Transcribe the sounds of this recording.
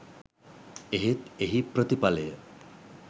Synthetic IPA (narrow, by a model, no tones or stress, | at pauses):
eɦet̪eɦipɾət̪ipalejə